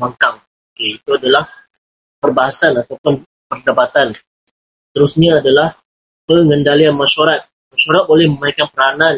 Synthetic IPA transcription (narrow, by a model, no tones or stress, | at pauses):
maŋkaŋ | okeit̪uadalah | pərbaɦasanat̪awpʊn | pərdabat̪an | sə̥t̪əɾusɲaːdalah | pəŋəndalianmaʃoɾat̪̚ | maʃoɾat̪̚bolɛhmə̃maikanpəɾanan